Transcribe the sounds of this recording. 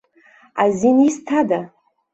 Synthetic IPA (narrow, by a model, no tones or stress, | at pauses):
azinistʰada